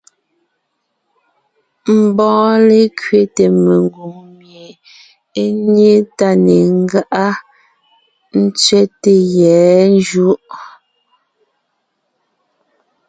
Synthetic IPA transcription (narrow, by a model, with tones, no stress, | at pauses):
m̩˨bɔ̃ː˨˦le˦kɥe˦te˨me˨ŋ˨ɡu˨ŋmje˨ | e˦ne˦ta˦ne˨ŋ˦ɡa˦ʔa˦ | n̩˦t͡sɥɛ˦te˨jɛː˨˦n˦d͡ʒu˦ʔ